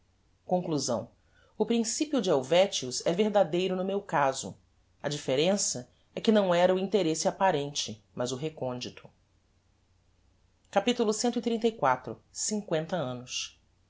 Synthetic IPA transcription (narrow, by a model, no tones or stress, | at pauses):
kõkluzɐ̰̃w̃ | ʊpɾĩsipiʊd͡ʒɪawvɛt͡ʃiʊzɛveɦd̪ad̪ejɾʊnʊmewkazʊ̰ | ɐd͡ʒifeɾẽsɐ | ɛkɪnɐ̃w̃ɛɾɐʊĩnt̪eɾesɪapaɾẽnt͡ʃɪ | mɐzʊɦekõnd͡ʒit̪ʰʊ̥ | kapit̪ulʊsẽnt̪ʊit̪ɾĩnt̪ɐjkwat̪ɾʊsĩŋkwẽnt̪ɐɐ̃nʊs